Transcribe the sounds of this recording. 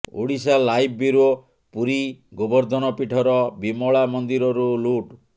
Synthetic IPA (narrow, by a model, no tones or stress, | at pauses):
o̰ɽisalajbbiɾo | puɾiɡɔbɔɾd̪ʱɔnɔpiʈʰɔɾɔbimɔɭamɔnd̪iɾɔɾuluʈ